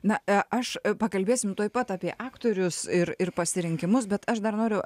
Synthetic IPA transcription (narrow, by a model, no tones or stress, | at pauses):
nɐɐʃpɐkɐlʲbʲeːsʲɪmt̪oːjpɐt̪ɑːpʲiɛʔɑːkt̪oːɾʲʊsɪɾɪrpɐsʲɪɾʲɪŋʲkʲɪmʊsbʲɛt̪ɐʃd̪ɐrnoːɾʲʊ